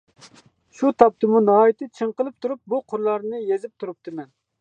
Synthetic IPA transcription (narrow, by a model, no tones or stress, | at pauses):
ʃut̪ʰɑp̚t̪ʰɨmunɑːit̪ʰɨt͡ʃʰɨɴqəlˠɨp̚t̪ʰuɾup̚buqʰʊɾlˠɑɾnɨjezɪp̚t̪ʰuɾup̚t̪ʰɨmɛn